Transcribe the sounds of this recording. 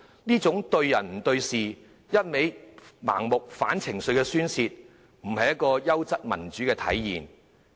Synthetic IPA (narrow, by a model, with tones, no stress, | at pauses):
niː˥t͡sʊ˨˥ŋt̪ɵ˧ɥjɐ˨˩nm̩˨˩t̪ɵ˧ɥsiː˨ | jɐ˥t̚me˨˥jma̰ː˨˩ŋmʊ˨k̚fa̰ː˨˥nt͡sʰɪ˨˩ŋsɵ˧ɥkɛː˧syː˥nsiː˧t̚ | m̩˨˩hɐ˨jɐ˥t̚kɔː˧jɐ˥wt͡sɐ˥t̚mɐ̰˨˩nt͡ʃyː˨˥kɛː˧t̪ʰɐ̰˨˥jːḭː˨˩n